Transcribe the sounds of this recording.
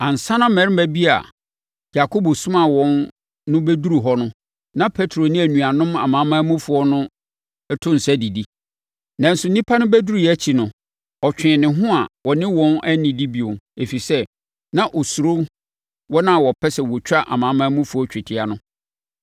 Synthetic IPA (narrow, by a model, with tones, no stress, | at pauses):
ã˨n̩˨sã˦nã˦mɛ̃˨˦ɾmæ˦bi˦a̰˨ | ja˨kʰo˦bɔ˨sʊ̃˦ma˨wɔ̃˨nː | ʊ̃˦bæ˦du˦ɾu˨ɦɔ˦nʊ̃˦ | nã˦pʰe˦tʰɾo˨nɪ̃˦æ˨nũ˨a˨nʊ̃˦ma̰˨mãː˨˦mãː˦mũ˦fʊ˨˦ɔ˦nʊ̃˦ | ɛ˦tʰʊ̃˦n̩˨sæ˦di˨di˦ | nã˨n̩˦sʊ˨n̩nĩ˦pʰa˦nʊ̃˦bæ˦du˦ɾu˨jɛ˦t͡ɕʰi˨nʊ̃˨ | ɔ˨t͡ɕᶣɪ̃˨nɪ̃˨ɦʊ̃˦a˨wɔ˨nɪ̃˦wɔ̃˦næ˦nɪ̃˨di˦bi˨ʊ˨ne˨fi˨sɛ˦ | nã˦ʔɔ˨su˨ɾo˦ | wɔ˦nã˦˨wɔ˨pʰɛ˦sɛ˨wɔ˨t͡ɕᶣa˦ʔa̰˨mãː˨˦mãː˦mũ˦fʊ˨˦ɔ˦t͡ɕᶣɪ˨tʰɪ˨a˨nʊ̃˦